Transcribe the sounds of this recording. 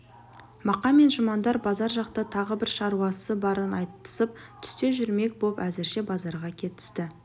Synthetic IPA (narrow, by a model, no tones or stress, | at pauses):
mɑqɑme̞nʒʊmɑnd̪ɑɾbɑzɑɾʒɑqt̪ɑt̪ʰɑʁəbɪɾʃɑɾuɑsəbɑɾənɑjt̪ːə̥səp̚t̪ʰʏ̥st̪e̞ʒʏɾme̞k̚bopæzɪɾʃe̞bɑzɑɾʁɑkʲʰe̞t̪ɪ̥st̪ɪ